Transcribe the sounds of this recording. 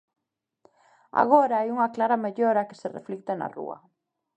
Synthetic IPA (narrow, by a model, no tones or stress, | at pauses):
a̰ɣ̞oɾaajuŋaklaɾameʎoɾakɪ̥serḛflik̚t̪ena̰rṵɐ̰